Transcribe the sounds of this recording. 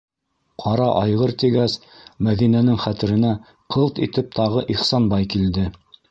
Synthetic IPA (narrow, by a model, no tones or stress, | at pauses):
qʰɑɾɑʔɑjʁɤɾt̪iɡæsmæðinænɘŋχæt̪ɘ̆ɾɘ̆næ | qʰɤlˠt̪it̪ɘp̚t̪ʰɑʁɤʔiχsɑnbɑjkild̪ɘ